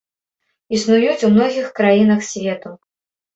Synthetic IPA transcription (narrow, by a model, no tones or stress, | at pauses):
isnujut͡sʲumnɔɣʲixkɾajinɐxsʲvʲɛt̪u